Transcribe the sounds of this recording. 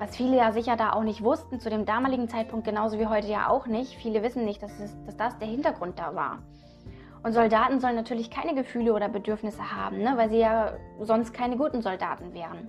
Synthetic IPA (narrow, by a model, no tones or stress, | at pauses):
vasfiːləjaːzɪçɐdaːʔa̰ʊxnɪçtv̥ʊstn̩t͡sudeːmdaːmaːlɪɡŋ̩t͡saɪt̚pʰʊŋt̚ɡ̥ənaʊzoviːɦɔʏtəja̰ːʔa̰ʊxnɪçtfiːləvɪsn̩nɪçt̚d̥asɛsd̥asd̥asd̥eːɐhɪntɐɡʁʊnt̚d̥a̰ːva̰ːɐ | ʔʊntz̥ɔldaːtn̩zɔlənːatʰyːɐlɪçkʰaɪnəɡəfyːləoːdɐbədʏɐfnɪsəha̰ːbm̩nəvaɪlziːjaːzɔnst̚kʰaɪnəɡuːtn̩zɔlda̰ːtn̩vɛːʁ̞ən